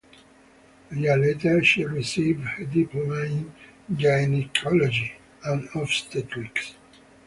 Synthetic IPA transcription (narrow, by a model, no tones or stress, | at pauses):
jəlet̪ə˞ʃiɹisivdhədipʰlomẽnd͡ʒajnikʰɔlɔd͡ʒi | ãnɔfst̪ɛtʰɹiks